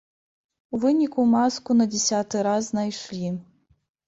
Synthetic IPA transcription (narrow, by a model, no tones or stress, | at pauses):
uvɨnʲikumaskunɐd͡zʲɛsʲat̪ɨɾazznajʂlʲi